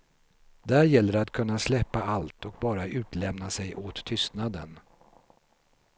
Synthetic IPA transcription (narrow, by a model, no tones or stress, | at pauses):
d̪æɾjɛlːəɾat̪kʰɵnːaslɛpːaalt̪ʰɔk̚bɑːɾaʔʉ̟ːt̪lɛmnasɛjʔoːt̪ʰːʏst̪nad̪ə̰n